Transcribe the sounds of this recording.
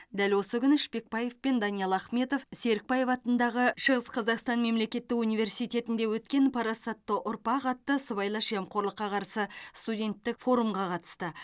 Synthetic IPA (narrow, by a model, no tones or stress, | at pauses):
d̪ælwo̞səkʲʰʏnɪʃpe̞k̚pɑje̞vpe̞nd̪ɑnijɑlˠɑχme̞t̪o̞fse̞ɾɪk̚pɑje̞fɑt̪ənd̪ɑʁəʃəʁəsqʰɑzɑqst̪ɑnme̞mle̞kʲe̞t̪ːɪkunijvʲe̞rsijt̪ʲe̞t̪ɪnd̪e̞wɵt̪kʲe̞npʰɑɾɑsɑt̪ːəʔʊɾpɑqɑt̪ːəsəβɑjlˠɑʃɑmqo̞ɾlˠəqːɑqʰɑɾsəst̪ud̪ʲe̞nt̪ːɪkfo̞ɾumʁɑqʰɑt̪ə̥st̪ə